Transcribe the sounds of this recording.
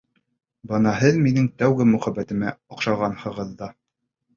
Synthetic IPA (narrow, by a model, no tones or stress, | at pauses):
bɤnɑɦɘðminɘŋt̪æwɡɘmʉχæbæt̪ɘ̆mæŏqʃɑʁɑnhɤ̆ʁɤðːɑ